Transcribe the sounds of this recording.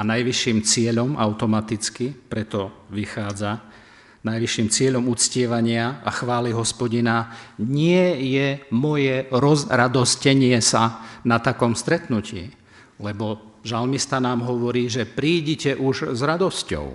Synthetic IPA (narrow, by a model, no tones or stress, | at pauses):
anajʋiʃːiːmt͡sɪɛʎɔmʔaʊt̪ɔmat̪it͡skipɾɛt̪ɔʋixaːd͡za | najʋiʃiːmt͡sɪɛʎɔmut͡scɪɛʋaɲɪaaxʋaːliɦɔspɔɟinaɲɪɛjɛmɔjɛɾɔzɾad̪ɔscɛɲɪɛsanat̪akɔmst̪ɾɛt̪nucḭː | lɛbɔʒalmist̪anaːmɦɔʋɔɾiːʒɛpɾiːɟicɛʔuʒzɾad̪ɔscɔ̰ʊ